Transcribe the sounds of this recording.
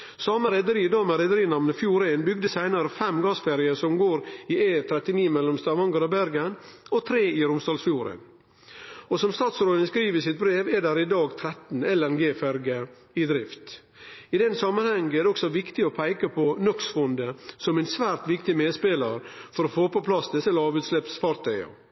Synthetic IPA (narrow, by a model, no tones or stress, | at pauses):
sɑːməɾɛd̪əɾiːd̪ɑːmɛɾɛd̪əɾiːnɑmnəfjuːɾɛnbʏɡd̪əsæɪnɑɾəfɛmɡɑːsfæɾɪəsɔmɡoːɾɪʔeːt̪ʰɾɛt̪ɪniːmɛlːɔmst̪ɑʋɑŋɡəɾɔbæɾɡənɔt̪ʰɾeːɪɾʊmst̪ɑːlsfjuːɾɛ̰n | ɔsɔmst̪ɑːt̪sɾoːd̪ənəskɾiːʋəsɪt̪̚bɾeːʋɛɖæɾɪd̪ɑːɡt̪ʰɾɛt̪n̩ɛlɛnɡeːfæɾɡə | ɪd̪ɾɪft̪ | ɪd̪ɛnsɑmːɑnhɛŋəɛɾd̪ɛɔksɔʋɪkt̪ɪɔpʰæɪkɑpʰɔnɔksfɔnd̪əsɔmɛɪnsʋæːɾt̪ʋɪkt̪ɪmeːd̪speːlɑɾfɔɾɔfoːpɔpʰlɑst̪ət̪ɪlɑːʋʉːt̪slɛpsfɑːɾt̪ʰœʏɑ̰